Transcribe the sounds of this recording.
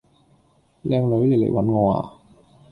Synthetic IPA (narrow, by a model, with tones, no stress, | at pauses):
lɛ˧˩klɔ˨˧˦le˧˨˩lḛ˨˦wa˨˦nŋɔ˧˩a̰˧˩